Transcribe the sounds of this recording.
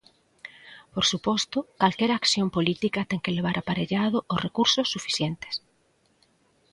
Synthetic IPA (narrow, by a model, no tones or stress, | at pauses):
poɾsupɔst̪ʊkalkɛɾakθjompolit̪ikɐt̪ɛŋkeleβ̞aɾʔapaɾeʎaðʊʔosrekuɾsosːufi̥θjent̪e̥s